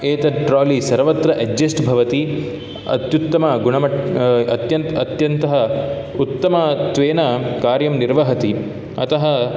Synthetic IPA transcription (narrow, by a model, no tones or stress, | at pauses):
eːt̪ɐʈɾaːlisɐɾʋɐt̪ɾɐʔɐd͡ʒːesʈbʱɐʋɐt̪i | ɐ̰t̪jut̪ːɐmɐɡuɳɐmɐʈɐt̪jɐnɐt̪jɐnt̪ɐɦɐ | ut̪ːɐmɐt̪ʋeːnɐkaːɾjɐmniɾʋɐɦɐt̪i | ɐ̰t̪ɐɦɐ